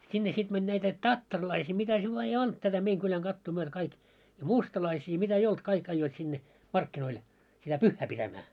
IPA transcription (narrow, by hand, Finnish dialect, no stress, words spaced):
sinːe sit mænʲ næitæ tɑtːɑrlɑisiː mitæ se ʋɑː ei olt tætæ meiŋ kylæŋ ɡ̊ɑtːuː myøtæ̆ kɑik jɑ mustɑlɑisiː jɑ mitæ ei olt kɑik ɑijːoit sinːe mɑrkːinoil sitæ pyhːæ pitæmæː